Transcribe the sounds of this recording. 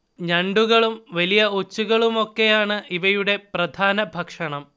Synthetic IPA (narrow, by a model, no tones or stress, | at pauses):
ɲɐɳɖuɣɐɭumʋɐlijɐot͡ɕːuɣɐɭumo̞kːe̞jaːɳɨʔiʋɐjuɽe̞prɐd̪ʱaːnɐbʱɐkʂɐɳɐm